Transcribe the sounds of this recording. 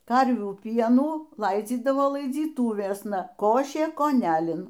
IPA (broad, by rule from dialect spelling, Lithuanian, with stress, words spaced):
ˈkɐrʲʋʲuː ˈpʲiɛnuː ˈlˠɐɪd͡zʲiːdɐʋoː lˠɐɪd͡zʲiːˈtuːʋʲeːsnɐ ˈkoːʃʲeː koːˈnʲælʲɪn